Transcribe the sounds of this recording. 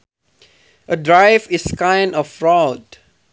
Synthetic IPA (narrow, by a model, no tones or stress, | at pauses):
ʔədɹaɪviskãɪ̃ndɔfɹɔd